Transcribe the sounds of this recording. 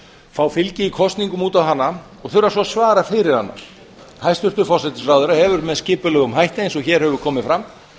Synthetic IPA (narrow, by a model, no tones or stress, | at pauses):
faːwfɪlcɪikʰɔst̪niŋkʏmuːt̪awɦanːa | ɔɣθʏɾasɔsvaːɾafɪɾɪɾ̥ha̰nːa̰ | hajst̪ʏr̥t̪ʏfɔrsɛt̪ɪsraːwðʏɾahɛvʏɾmɛðscɪːpʏlœɣʏmɦajht̪ejnsɔçɛːɾ̥hɛvʏɾ̥kʰɔːmɪfɾam